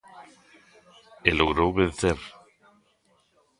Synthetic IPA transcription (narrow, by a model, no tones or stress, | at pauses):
eloɣɾowβenθeɾ